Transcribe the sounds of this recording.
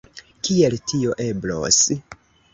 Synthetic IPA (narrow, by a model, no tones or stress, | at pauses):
kieltʰio̞ʔe̞blo̰s